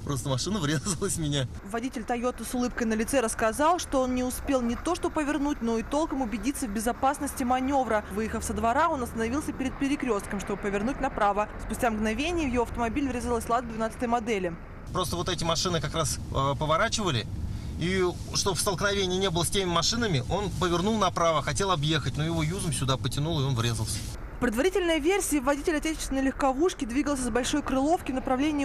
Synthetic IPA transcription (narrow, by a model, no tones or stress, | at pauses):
pɾost̪əmɐʂɨnəvɾʲezəlˠəsʲmʲɪnʲa | vɐdʲitʲɪlʲt̪ɐjot̪əsʊlˠɨp̚kəjnəlʲɪt̪sɛɾəskɐzɑlˠʂt̪oo̞nnʲɪʊspʲe̞lˠnʲɪt̪o̞ʂt̪obpəvʲɪrnut̚ʲno̞it̪o̞lˠkəmʊbʲɪdʲit̪sːəvʲbʲɪzɐpasnəsʲtʲɪmɐnʲo̞vɾəvɨjɪxəfsəd̪vɐɾao̞nɐst̪ənɐvʲilˠsʲəpʲɪɾʲɪt̪̚pʲɪɾʲɪkɾʲo̞st̪kəmʂt̪o̞bɨpəvʲɪrnutʲnɐpɾavəspʊsʲtʲamɡnɐvʲenʲɪjəvjɪvoɐft̪əmɐbʲilʲɪvɾʲezəlˠəsʲlˠat̪vd̪vʲɪnat̪st̪əjmɐd̪ɛlʲɪ | pɾo̞st̪əvo̞t̪ɛtʲɪmɐʂɨnɨkɐkɾaspəvɐɾat͡ɕɪvəlʲɪi | ʂt̪o̞fst̪əlˠknɐvʲenʲɪjɪnʲebəlˠəsʲtʲemʲɪmɐʂɨnəmʲɪʔo̞npəvʲɪrnulˠnɐpɾavəxɐtʲe̞lˠɐbjexətʲnojɪvo̞juzəmsʲʊd̪apətʲɪnulˠɨo̞nvɾʲe̞zəlˠsʲə̥ | fpɾʲɪd̪vɐɾʲitʲɪlʲnəjəvʲersʲɪjəvɐdʲitʲɪlʲɐtʲet͡ɕɪ̥ɪsʲɪnəjɪlʲɪxkɐvuʂkʲɪd̪vʲiɡəlˠsʲəzbɐlʲʂo̞jkɾɨlˠo̞fkʲɪnəpɾɐvlʲenʲɪ